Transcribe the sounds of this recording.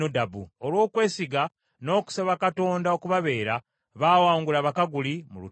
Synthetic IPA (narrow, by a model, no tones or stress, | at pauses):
odabuolwo̞ːkwe̞ːsiɡa | no̞ːku̥saβakato̞ːndaokuβaβe̞ːɾa | βaːwaːŋɡulaβakaɡulimulu